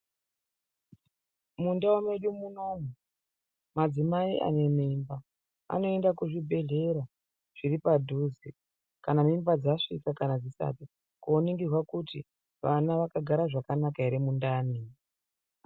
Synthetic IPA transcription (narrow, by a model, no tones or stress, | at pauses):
mundaomeɗumuno̞mu | mad͡zimaiʔa̰ne̞miːmba | a̰no̞e̞ndakuʐibʱe̞ɮe̞ɾa | ʐ̥iɾipadʱuzi | kanamimbad͡zaʂikakanad͡zisa̰pi | kuoniŋɡirwakuti | ʋanaʋakaɡʱaɾaʐakanakaiɾemundaːni